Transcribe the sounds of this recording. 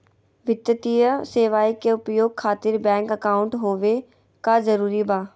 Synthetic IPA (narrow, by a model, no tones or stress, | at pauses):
ʋɪt̪ːət̪ijəseːʋaːikeʊpjoːɡ̚kʰaːt̪ɪɾbɛ̃ːŋkəkaːʊ̃ɳʈɦoːʋe | kazəɾuːɾibaː